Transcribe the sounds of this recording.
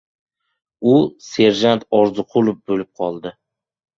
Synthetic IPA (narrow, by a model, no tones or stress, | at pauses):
ʊse̞ɾʒant̪ʰɒɾzʊqʰʊlˠʊfbolɪp̚qʰɒlˠd̪ɪ